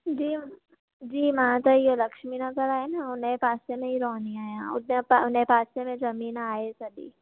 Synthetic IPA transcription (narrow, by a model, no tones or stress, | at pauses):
d͡ʒiː | d͡ʒiːmaːt̪ajelɐkʃminɐzəɾaːenaʊnẽpaːsemẽiɾɔːniãːãʊ̰nẽpaʊnẽpaːsemẽd͡ʒɐmiːnaːesɐdḭː